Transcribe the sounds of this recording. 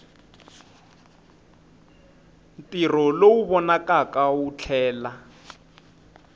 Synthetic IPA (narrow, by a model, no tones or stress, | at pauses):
n̩tʼirɔlouβɔnakʼakaut͡ɬʰɛːla